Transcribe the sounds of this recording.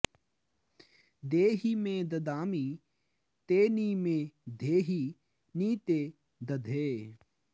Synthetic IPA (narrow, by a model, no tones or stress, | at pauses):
d̪eːɦiːmẽːd̪ɐd̪aːmiː | t̪eːniːmẽːd̪ʱeːɦiː | niːt̪eː | d̪ɐd̪ʱeː